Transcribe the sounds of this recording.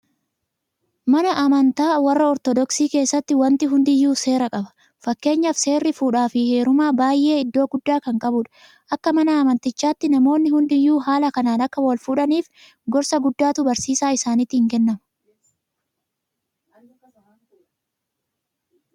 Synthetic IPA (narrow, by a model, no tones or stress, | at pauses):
mɐnɐʔɐmɐnt̪aːwɐrːɐɔɾt̪ɔd̪ɔksiːke̞ːsːɐt̪ːɪwɐnt̪ɪɦʊnd̪ɪjːuːse̞ːɾɐkʼɐbɐ̥ | fɐkːe̞ːɲːɐfse̞ːrːɪfuːᶑaːfɪhe̞ːɾʊmaːbaːjʔe̞ːɪd̪ːo̞ːɡʊd̪ːaːkɐŋkʼɐbʊᶑɐ̥ | ʔɐkːɐmɐnɐːmɐnt̪ɪt͡ʃːaːt̪ːɪnɐmo̞ːnːɪhʊnd̪ɪjːuːɦaːlɐkɐnaːnɐkːɐwɐlfuːᶑɐniːf | ɡɔɾsɐɡʊd̪ːaːt̪ʊbɐɾsiːsaːɪsaːnɪt̪ːɪhɪŋkɛnːɐmɐ̥